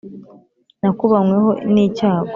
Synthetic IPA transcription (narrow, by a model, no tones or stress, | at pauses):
nakuβamweho̞niːcaːɡo